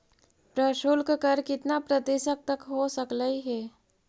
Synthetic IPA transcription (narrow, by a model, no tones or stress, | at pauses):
pɾəʃolkkəɾkɪt̪napɾət̪ɪsək̚t̪ɐkɦosəkləiɦɛː